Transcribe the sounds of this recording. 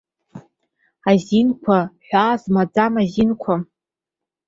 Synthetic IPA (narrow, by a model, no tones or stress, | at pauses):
azinkʷʰaħʷᶣazmad͡zamazinkʷʰa